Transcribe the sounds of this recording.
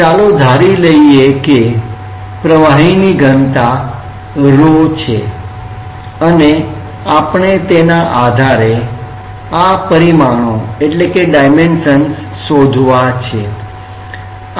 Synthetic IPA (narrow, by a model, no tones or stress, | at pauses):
t͡ʃalod̪ʱaɾiləieke | pɾəʋaɦiniɡʱənt̪a | ɾot͡ʃʰe | əne | apɳet̪enaʔad̪ʱaɾe | apəɾimañõeʈlekeɖajmenʃənsːod̪ʱʋat͡ʃʰe